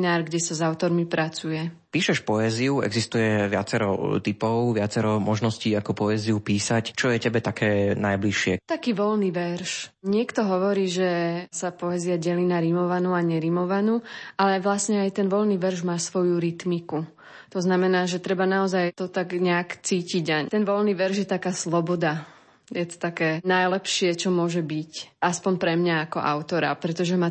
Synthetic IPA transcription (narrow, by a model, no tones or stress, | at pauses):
naːɾɡɟɛsazaʊt̪ɔɾmipɾat͡sujɛ | piːʃɛʃpɔɛziuɛ̰ɡzist̪ujɛʋɪat͡sɛɾɔ̰t̪ipɔʊʋɪat͡sɛɾɔmɔʒnɔsciːakɔpɔɛziupiːsact͡ʃɔjɛcɛbɛt̪akʰɛːnajbliʃɪɛt̪akiːʋɔlniːʋɛɾʃɲɪɛkt̪ɔɦɔʋɔɾiːʒɛsapɔɛziaɟɛliːnaɾimɔʋanuːaɲɛɾimɔʋanuːalɛʋlasɲɛajt̪ɛnʋɔlniːʋɛɾʒmaːsʋɔjuɾit̪miku | t̪ɔznamɛnaːʒɛt̪ɾɛbanaɔzajt̪ɔt̪aɡɲɛakt͡siːciɟat̪ɛnʋɔlniːʋɛɾʒjɛt̪akaːslɔbɔd̪a | jɛt̪ɔ̥t̪akɛːnajlɛpʃɪɛt͡ʃɔmʊɔʒɛbicaspɔɲpɾɛmɲaːkɔ̰ʔa̰ʊt̪ɔɾa̰pɾɛt̪ɔʒɛma